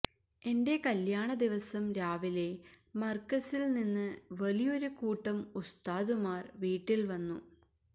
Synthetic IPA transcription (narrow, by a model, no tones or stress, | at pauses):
e̞nde̞kɐljaːɳɐd̪iʋɐsɐmɾaːʋile̞mɐrkːɐsilninːɨʋɐlijo̞ɾukuːʈːɐmust̪aːðumaːrʋiːʈːilʋɐnːṵ